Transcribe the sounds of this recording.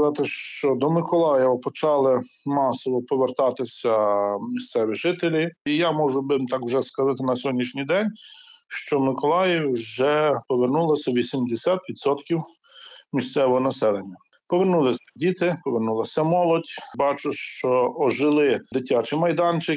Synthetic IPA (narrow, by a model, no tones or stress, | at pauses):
zɑt̪ɪʃt͡ʃɔd̪ɔmɪkɔlˠɑjɛʋɐpɔt͡ʃɑlˠɪ | mɑsɔʋɔpɔʋert̪ɑt̪ɪsʲɐmʲist̪sɛʋʲiʒɪt̪elʲiijamɔʒʊbɪmt̪ɑkwʒɛskɐzɑt̪ɪnɐsʲɔɦɔdʲnʲːiʃnʲijd̪ɛnʲʃt͡ʃɔmɪkɔlˠɑjɪwʲwʒɛpɔʋernulˠɐsʲɐʋʲisʲimd̪esʲat̪ʋʲid̪sɔt̪kʲiw | mʲist̪sɛʋɔɦɔnɐsɛlˠenʲːɐ | pɔʋernulˠɪdʲit̪ɪpɔʋernulˠɐsʲɐmɔlˠɔdʲbɑt͡ʃʊʃt͡ʃɔɔʒɪlˠɪd̪ɪtʲat͡ʃɪmɐjd̪ɑnt͡ʃɪ